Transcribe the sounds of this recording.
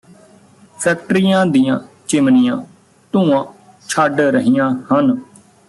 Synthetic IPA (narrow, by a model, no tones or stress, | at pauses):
pʰɛːk̚ʈəɾijãːd̪ijãː | t͡ʃɪmnijãː | t̪ũːãː | t͡ʃʰaɖɾəɦijãːhən